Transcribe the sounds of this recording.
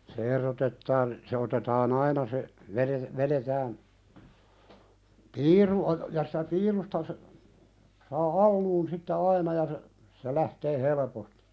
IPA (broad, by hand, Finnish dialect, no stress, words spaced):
se erotetːɑːn se otetɑːn ɑinɑ se ʋeɾe ʋeɾetæːn piːru o jɑ si̥tæ piːrustɑ sə sɑː ɑlːuːn sitːe ɑinɑ jɑ se se læhteː helĕposti̥